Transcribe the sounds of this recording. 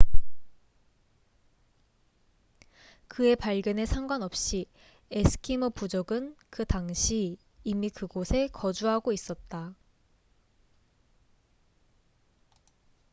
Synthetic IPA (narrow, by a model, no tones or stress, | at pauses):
kɯe̞paɭɡjʌne̞sʰaŋɡwanʌp̚ɕ͈i | esʰɯ̥kʰimopud͡ʑoɡɯnkɯtaŋɕʰiː | mikɯɡosʰe̞kʰʌd͡ʑuɦaɡois͈ʌt̚t͈a